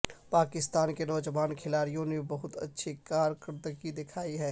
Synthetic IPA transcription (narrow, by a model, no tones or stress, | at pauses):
paːkɪst̪aːnkenɔːd͡ʒəʋaːnkʰɪlaːɾijõnebɐɦʊt̪ɐ̰tːʃʰikaːɾkəɾd̪əkid̪ɪkʰaːiɦɛː